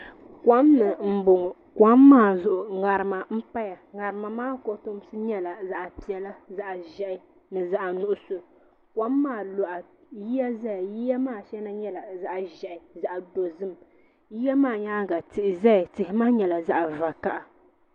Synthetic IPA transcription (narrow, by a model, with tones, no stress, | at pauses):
kwa˦mnɨ˨m̩˦bʊ˨ŋ˨ | kwa˦mː˦aː˦˨zʊ˦ʔʊ˨ŋa˨ɾɨ˨ma˨m̩˦pa˦ja˨ŋa˨ɾɨ˨ma˨maː˦ko˨tʊ˦m˦sɨ˦ɲɛ˦la˨za˦ʔa˨pi˨ɛ˨la˦za˦ʔʒɛ˦ʔɪ˨ | nɨ˨za˦ʔa˨nʊ˦ʔʊ˦sʊ˨ | kwa˦mː˦aː˦˨lo˨ʔa˨ji˦ja˦za˦ja˨ji˦ja˦maː˦˨ʃɛ˦na˦ɲɛ˦la˨za˦ʔʒɛ˨ʔɪ˨za˦ʔdo˨zɨ˦m | ji˦ja˦maː˦˨ɲaː˦ɡa˨tɨ˨ʔɪ˨za˦jtɪ˨hɪ˦ma˦ɲɛ˨la˨za˦ʔa˨va˨ka˦ʔa˨